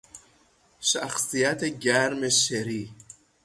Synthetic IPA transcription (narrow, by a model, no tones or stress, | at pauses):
ʃaxsijat̪eɡæɾmeʃeɾi